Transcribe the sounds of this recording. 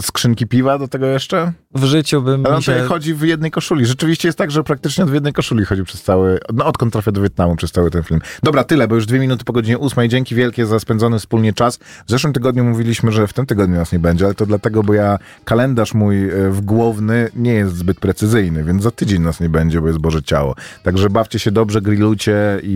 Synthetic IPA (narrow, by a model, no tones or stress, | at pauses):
skʂɘŋkʲipʲivad̪ɔt̪ɛɡɔjɛʂt͡ʂɛ | vʐɘt͡ɕubɘmalɛɔt̪ɔjaxɔd͡ʑivjɛd̪nɛjkɔʂulʲiʐɛt͡ʂɘvʲiɕt͡ɕɛjɛst̪t̪aɡʐɛpɾak̚t̪ɘt͡ʂɲɛɔd̪vʲjɛd̪nɛjkɔʂulʲixɔd͡ʑipʂɛ̥st̪sawɘnɔɔt̪kɔnt̪ːɾafʲad̪ɔvʲjɛt̪namupʂɛst̪sawɘt̪ɛnfʲilmd̪ɔbɾat̪ɘlɛbɔjuʐd̪vʲjemʲinut̪̬ɘ̥pɔɡɔd͡ʑiɲɛʔusmɛjid͡ʑeŋkʲivʲjɛlkʲɛzaspɛnd̪zɔnɘfspulɲɛt͡ʂasvzɛʂwɘmt̪ɘɡɔd̪ɲumuvʲilʲiɕmɘʐɛft̪ɘmt̪ɘɡɔd̪̚ɲunasɲɛbɛɲd͡ʑɛalɛt̪ɔd̪lat̪ɛɡɔbɔja | kalɛnd̪aʂmujvɡwɔvnɘɲɛjɛst̪zbɘt̪̚pɾɛt̪sɘzɘjnɘvʲjɛnzat̪ɘd͡ʑeɲnasɲɛbɛɲd͡ʑɛbɔjɛst̪bɔʐɛt͡ɕa̰wɔ̰t̪aɡʐɛbaft͡ɕɛɕɛd̪ɔbʐɛɡɾʲilujt͡ɕɛi